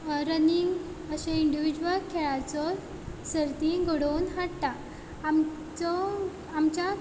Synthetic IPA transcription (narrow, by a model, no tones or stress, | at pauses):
ɾəniŋɡ | əɕẽiɳɖiʋid͡ʑʋəlkʰeɭat͡sɔ | səɾt̪iɡoɽonɦaɽt̪a | am | t͡sɔː | mt͡ɕa